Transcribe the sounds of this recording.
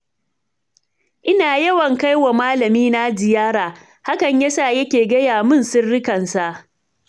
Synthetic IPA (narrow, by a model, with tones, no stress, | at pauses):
ʔɪ˦naː˨jɐ˦wɐ˨ŋka˦jwa˨maː˦lɐ˨miː˦na˦d͡ʒɪ˨jaː˦ɾaː˨ | ha˦kɐ˨ɲjɐ˦saː˦˨jɐ˦kʲeː˨ɡɐ˦jaː˨mɪ˦˨nsʊ˦rɽɪ˦kɐ˨nsa˦ʔ